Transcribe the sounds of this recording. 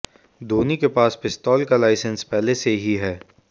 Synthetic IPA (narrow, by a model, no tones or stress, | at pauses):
d̪oːnikepaːspɪst̪ɔːlkalaːɪsə̃nspɛɦleseɦiɦɛː